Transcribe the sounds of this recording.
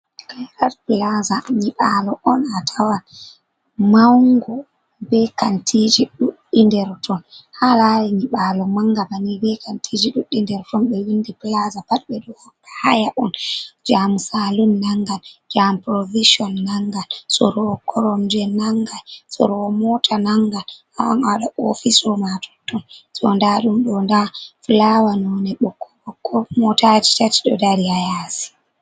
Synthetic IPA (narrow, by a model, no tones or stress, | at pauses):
kajɾaɾplazaɲiɓalɔʔɔnatʰawan | mawŋɡɔ | bɛkantʰid͡ʒiɗuɗːindɛɾtʰɔnhalaɾiɲiɓalɔmaŋɡabanibɛkantʰid͡ʒiɗuɗːindɛɾtɔnɓɛwindiplazabaɗɓɛɗɔhaɗahajaʔɔnd͡ʒamusalunːaŋɡald͡ʒampɾɔviʃiɔnːaŋɡalsɔɾɔkʰɔɾɔmd͡ʒɛnaŋɡalsɔ̰ɾɔmɔtʰanaŋɡal | aa̰nawaɗaʔofisɔmatʰɔ̥tːɔnsɔndaɗumɗɔndaflawanɔnɛɓɔkʰːɔɓɔkːɔmɔtad͡ʒitati̥ɗɔdaɾiajasi̥